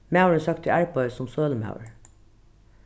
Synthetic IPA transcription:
mɑʉɹəsɑkt̪ʰɪʔæɹpʰɔʏsɔmsøːləmɑ̰ʊɹ

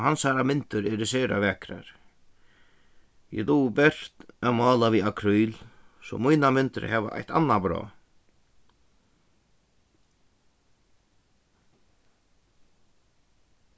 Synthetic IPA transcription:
ɦansaɾamɪnt̪ʏɾɛɾɪsɛːɾa̰vɛːkɾa̰ɾ̥ | jɛ̰luːbɛr̥t̪amɑːlaviakʰɾujlsɔ̰mujnamɪnt̪ʏ̰ɾhɛʋa̰ʔa̰jht̪a̰nːabɾɔ̰ː

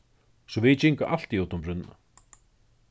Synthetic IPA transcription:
sɔvɪðt͡ɕiŋkaʔal̥t̪iot̪ʊmɾʏnːa̰

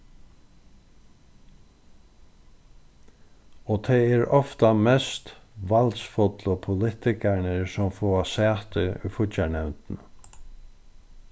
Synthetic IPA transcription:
ɔːt̪ʰɛɛɹɔft̪amɛst̪ʋalsfɔt̪lɔpʰʊlɪht̪ɪkaɳəɹsɔmfɔːasæːt̪əʊ̰jfʊt͡ʃaɳɛwnt̪n

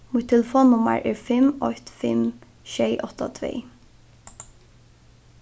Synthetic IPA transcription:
mʊt̪ʰɛləfoːnnːʊmə̰ɹʔɛːɹfɪmɔt̪fɪm | ʃɛɪʔɔt̪a̰t̪ʰʋḛː

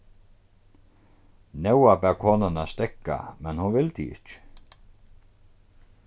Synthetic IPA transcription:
nɛwabɛːʁkʰoːnanast̪ɛkːa̰mɛnhʊnʋɪld̪iɪ̰cː

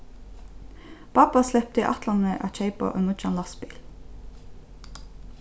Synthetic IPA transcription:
b̥ɑpɑslɛp̚t̪əiːʔɑt̪ʰlɑnəʔɑ̰ːc͡çeɪpɑ̰ʔɔnʊt͡ʃɑnlɑsbiːl

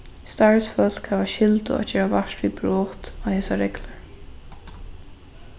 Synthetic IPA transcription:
st̪aːɹsfœl̥khavaʃɪlt̪ʊ̰a̰d͡ʒɛːɾavaʃt̪vibɹɔːht̪ahɛːsaɾɛklaɹ

